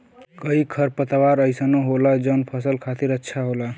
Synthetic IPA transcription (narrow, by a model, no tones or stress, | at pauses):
kəikʰəɾpət̪waɾəjsənoɦolad͡ʒənpʰəsəlkʰat̪iɾətːʃʰaɦola